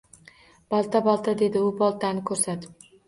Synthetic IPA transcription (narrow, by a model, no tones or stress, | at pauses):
b̥ɒlˠt̪ʰabɒlˠt̪ʰad̪e̞d̪ɪʊbɒlˠt̪ʰanɪkʰɵɾsat̪ɪ̥p